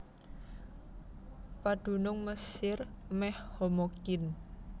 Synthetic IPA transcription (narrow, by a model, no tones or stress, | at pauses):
pad̪̥ṳnʊŋməsɪrmɛhhomokɪn